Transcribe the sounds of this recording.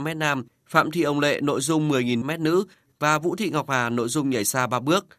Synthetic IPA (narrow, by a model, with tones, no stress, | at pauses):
mɛ˦˥t̚naː˧m | fa̰ː˧˨mt̪ʰḭ˧˨ʔə˨˩wŋ͡mlḛ˧˨no̰˧˨jzʊ˧ŋ͡mmɨ˨˩əjŋi˨˩nmɛ˦˥t̚nɨ̰˧˥ | vaː˨˩vṵ˧˥t̪ʰḭ˧˨ŋa˨˩wk͡p̚haː˨˩no̰˧˨jzʊ˧ŋ͡mɲa˧˩jsaː˧ɓaː˧ɓɨ˦˥ək̚